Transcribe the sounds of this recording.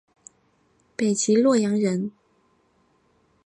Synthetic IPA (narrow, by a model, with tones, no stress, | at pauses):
pe˨˩ɪt͡ɕi˧˥lwɔ˥˩jɑ˧˥ŋɻə˧˥n